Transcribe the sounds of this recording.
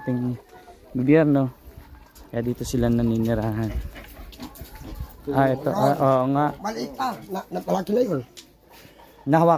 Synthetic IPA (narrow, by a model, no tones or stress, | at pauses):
t̪ɪŋi | ɡobjɛɾno | kajad̪it̪usilananiniɾaɦan | aɛt̪oʔʔoŋaʔbalit̪ananapalakinajon | naɦwa